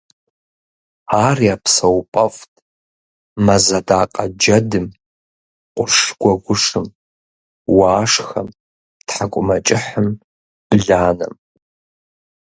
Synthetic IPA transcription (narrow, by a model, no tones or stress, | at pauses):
aːriapʰsɐwpʼɐfʼtʼ | mɐzadaːqʼad͡ʒɐdɨm | qʷʼʊrʂɡʷaɡʷʊʂɨm | waːʂxɐm | tħakʷʼʊmɐt͡ʃʼɪħəm | b̥ɮaːnɨ̰m